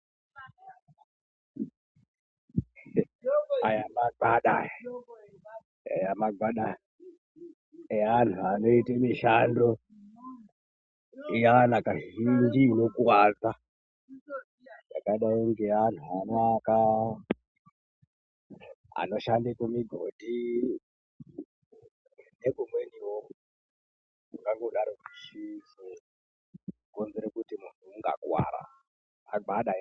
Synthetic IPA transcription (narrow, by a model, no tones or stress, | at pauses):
ajamaɡʱaɗa̰ | a̰jamaɡaɗa | eantʰuano̞itemiʃando | ijanakaind͡ʒinokuwaːd͡za | njakaiɗaoŋɡean̤uanaka | a̰noʃandekumiɡʱodʱi | neɡʱumweniwo | mukaŋɡuɗaɾokuʃise | konzeɾekutimuntʰuŋɡa̰kwa̰ːɾa̰ː | ɡ͡baɗa